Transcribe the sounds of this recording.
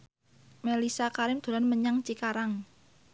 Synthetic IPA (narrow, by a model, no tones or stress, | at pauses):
melisakaɾɪmd̪̥o̤ɾanməɲaŋt͡ʃikaɾaŋ